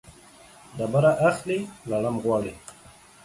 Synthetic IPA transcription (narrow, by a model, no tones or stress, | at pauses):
d̪abaɾaʔaxlilalamɣwaːɽi